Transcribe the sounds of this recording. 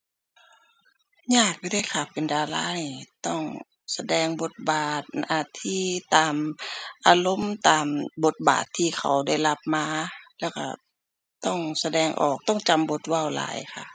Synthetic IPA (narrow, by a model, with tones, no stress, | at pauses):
ɲaː˧˩k̚buː˧da˥˩jkʰa˧˩pːe˨ndaː˧la̰ː˧˥˩niː˧˩t̪ɔ˥˩ŋ | sa˧dɛː˧˩ŋbo˧˦t̪̚baː˨˩t̪̚ʔaː˧˩t̪ʰːiː˧˩t̪aː˨mʔaː˧lo˧˥˨mt̪aː˨mbo˧˦t̪̚ba̰ː˨˩t̪ʰːiː˧˩kʰa̰˨˩wda˥˩jla˧p̚maː˧˥lɛː˧˩wkʰa̰˧˩ | t̪ɔ˥˩ŋsa˧dɛː˧ŋʔɔ̰ː˨˩k̚t̪ɔ˥˩ŋt͡ɕa˧˦mbo˧˦t̪̚wa˧˩˨wla̰ː˨˦jkʰa˧˩ʔ